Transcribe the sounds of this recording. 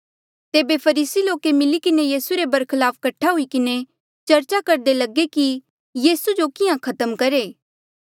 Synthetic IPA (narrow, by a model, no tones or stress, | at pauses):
t̪eːbepʰɐɾiːsiloːkemɪlikɪnejiːsuɾebɐɾkʰɪlaːpkɐʈʰːaɦʊikɪne | t͡ʃɐɾt͡ʃakɐɾd̪elɐɡeki | jiːsud͡ʒokɪjãkʰɐt̪əmkɐɾeː